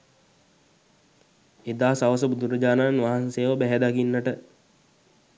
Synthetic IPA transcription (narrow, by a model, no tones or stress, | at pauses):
ed̪aːsaʋəs̬əbud̪uɾəd͡ʒaːnanʋaɦanseːʋəbæɦæd̪aɡinːəʈə